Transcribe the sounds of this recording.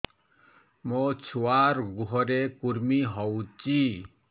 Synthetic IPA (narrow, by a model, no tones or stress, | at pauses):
mot͡ʃʰuaɾɡuɦɔɾekuɾmiɦɔwt͡ʃi